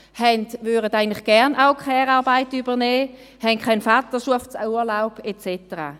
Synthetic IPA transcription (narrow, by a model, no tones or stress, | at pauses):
hɛndvyːʁədaɪəntlɪχɡ̥ɛʁnʔaʊkʰɛːʁaːɐbaɪtybəʁnɛː | hɛnkʰaɪnfat̪əʃuɐft͡suːɐlaʊpet͡sɛtəʁa̰ː